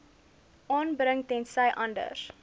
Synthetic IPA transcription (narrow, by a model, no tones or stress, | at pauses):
ʔɑːnbɾəŋtɛnsɐjʔɐndə̰r